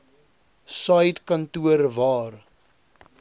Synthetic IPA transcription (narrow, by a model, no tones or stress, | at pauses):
sɐjtkɐntuəɾvɑːr